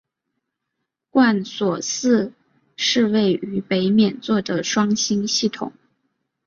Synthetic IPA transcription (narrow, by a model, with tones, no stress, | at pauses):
kwa˥˩nswɔ˨˩sɹ̩˥˧ | ʂɻ̩˥˧we˥˩ɪy˧˥pe˧˥ɪmjɛ˨˩nt͡swɔ˥˩d̪ə˩ʂwɑ˥ŋɕi˥nɕi˥˩t̪ʰʊ̰˨˩˦ŋ